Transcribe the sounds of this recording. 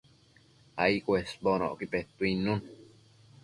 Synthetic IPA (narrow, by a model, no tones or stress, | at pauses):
a̰ikwesbono̰ʔkipet̪ːuinːun